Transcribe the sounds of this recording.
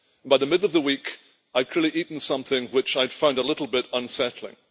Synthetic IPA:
n̩baɪðəmɪdˡl̩ˠʌvðəwik | aɪd̚kʰl̥ɪɹlˠiʔiʔn̩sʌ̃mθɪ̃ŋwɪt͡ʃaɪd̥fãʊ̃ndəlɪɾl̩ˠbɪɾə̃nsɛtl̩ˠɪ̰̃ŋ

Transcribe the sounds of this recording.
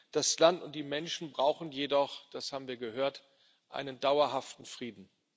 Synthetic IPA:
d̥aslantʊnt̚d̥iːmɛnʃn̩bʁaʊxn̩jedɔχd̥ashaːbm̩viːɐɡəɦøːɐt | ʔa̰ɪnəndaʊɐɦaftn̩fʁ̥iːdn̩

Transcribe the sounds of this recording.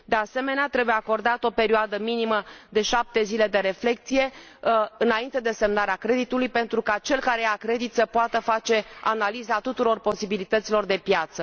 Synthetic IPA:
d̪ease̞me̞neat̪ɾe̞bujeako̞rd̪at̪o̞pe̞ɾioad̪əminiməd̪e̞ʃap̚t̪e̞zile̞d̪e̞ɾe̞fle̞k̚t̪sije̞ | ɨnaint̪e̞d̪e̞se̞mnaɾeakɾe̞d̪it̪ulujpe̞nt̪ɾukat͡ʃe̞lkaɾe̞jakɾe̞d̪it̪səpoat̪əfat͡ʃe̞a̰nalizat̪ut̪uɾo̞rpo̞sibilit̪ət̪silo̞rd̪e̞pjat̪sə

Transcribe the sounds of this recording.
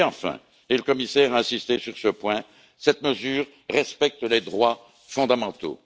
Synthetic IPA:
ɑ̃fɛ̰̃ | eləkɔmisɛʁaɛ̃sist̪esyʁsəpwɛ̃ | sɛt̪məzyːʁːɛspɛk̚t̪əled̪ʁwa | fɔ̃d̪amɑ̃t̪o̰

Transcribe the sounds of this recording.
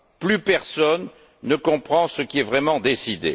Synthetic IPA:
plypɛʁsɔnː | əkɔ̃pχɑ̃səkʲiɛvʁɛmɑ̃d̪esid̪ḛ

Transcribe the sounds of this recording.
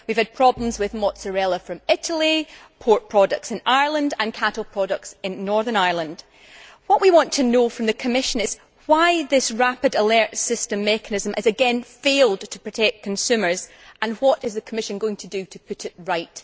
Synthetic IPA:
wiv̥əd̚pʰɹ̥ɔblˠə̃mzwɪðmɔʔsəɹɛlˠəfɹə̃mɪʔəl̩ˠi | pʰoɹʔpʰɹ̥ɔdək̚tsɪ̃naɪə˞lˠə̃ndə̃nkʰaʔl̩ˠpʰɹ̥ɔɾək̚tsɪ̃nːɔɹðə˞naɪɹlˠə̃nd̥ | wɔʔwʔiwɔ̃ntʰənofɹə̃mðəkʰəmɪʃə̃nɪz̥ | w̥aɪðɪsɹapɪdəlˠɜ˞tsɪstə̃mːɛkənɪzə̃mʔɪzəɡɛ̃nfelˠdtʰə̥pʰɹ̥ətʰɛk̚kkʰə̃nsʉmə˞z | ə̃nwɔʔɪzðəkʰəmɪʃə̃nɡoɪ̃ŋtʰədɨtʰəpʰʉʔɪʔɹaɪʔ

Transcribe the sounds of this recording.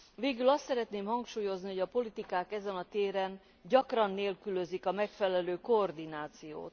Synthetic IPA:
veːɡylɒst̪sɛɾɛt̪neːmhɒŋkʃuːjo̞zniho̞ɟɒpo̞lit̪ikaːkɛzɛnɒt̪eːɾɛn | ɟɒkrɒnːeːlkylø̞zikɒmɛkfɛlɛløːkoːrd̪inaːt̪sijo̰ːt̪

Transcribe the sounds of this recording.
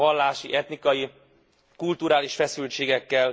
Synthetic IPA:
ɒlːaːʃiʔɛt̪nikɒji | kult̪uɾaːliʃfɛsylt͡ʃeːɡɛkːɛl

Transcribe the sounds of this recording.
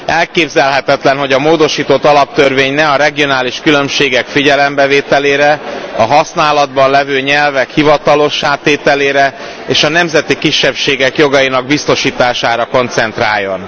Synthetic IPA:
ɛlkeːbzɛlɦɛt̪ɛt̪lɛnɦo̞ɟɒmoːd̪o̞ʃiːt̪o̞t̪ːɒlɒp̚t̪ørveːɲnɛɒɾɛɡio̞naːliʃkylø̞mʃeːɡɛkfiɟɛlɛmbɛveːt̪ɛleːɾɛɒɦɒsnaːlɒd̪bɒnlɛvøːɲɛlvɛkhivɒt̪ɒlo̞ʃaːt̪ːeːt̪ɛleːɾɛ | eːʃɒnɛmzɛt̪ikiʃːɛpʃeːɡɛkjo̞ɡɒjinɒɡ̚bist̪o̞ʃiːt̪aːʃaːɾɒko̞nt̪sɛnt̪ra̰ːjːo̞n

